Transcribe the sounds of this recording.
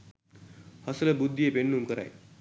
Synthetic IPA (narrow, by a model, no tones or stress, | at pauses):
həslebud̪ʱːiepeɳːumkəɾa̰j